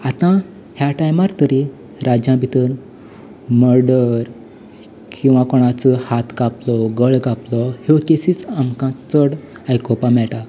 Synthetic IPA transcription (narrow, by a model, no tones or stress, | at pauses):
at̪ã | hjaʈajmaɾt̪əɾi | ɾad͡ʑjãbʱit̪əɾ | məɾɖəɾ | kĩw̃ʋãkɔɽ̃at͡səhat̪ɡaplɔɡəɭɡaplɔhekesiːt͡samkãt͡səɽ | ajkɔpamɛɭʈa